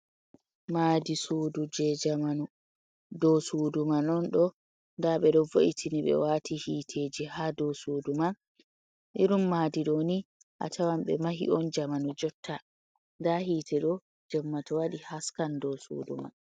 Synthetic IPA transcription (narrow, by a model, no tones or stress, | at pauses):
maːdisuːdud͡ʒɛd͡ʒamanu | dɔsuːdumanɔnɗɔ | ndaɓɛɗɔvoʔitʰiniɓɛ̰waːtʰihiːtʰeːd͡ʒihadɔsuːduman | ʔiɾumːaːdiɗoni | ʔa̰tʰawamɓɛ̰maɦḭʔɔnd͡ʒamanud͡ʒɔtʰːa | ndahiːtʰɛɗɔ | d͡ʒɛmːatɔwaɗihaskandɔsṵːdṵma̰n